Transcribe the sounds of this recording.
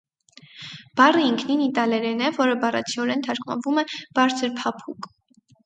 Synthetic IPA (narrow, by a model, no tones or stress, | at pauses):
b̥ɑrəiŋkʰninit̪ɑlɛɾɛnɛvɔɾəbɑrɑ̰t͡sʰiɔɾɛnt̪ʰɑɾkʰmɑ̰nvumɛb̥ɑɾt͡sʰəɾpʰɑpʰuk